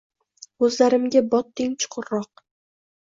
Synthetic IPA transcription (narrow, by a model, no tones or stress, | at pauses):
ɵzlaɾɪmɡʲabɒt̪ːɪŋt͡ʃʰʊ̥qʰʊɾːɒq̚